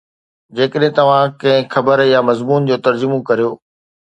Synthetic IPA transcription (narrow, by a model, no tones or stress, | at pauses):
d͡ʑeːkəɗɦɪ̃t̪ɐʋ̤ãkɐ̃ɦɪ̃xɐbəɾjamɐzmuːnd͡ʑoːt̪ɐɾd͡ʑʊmõkɐɾijoː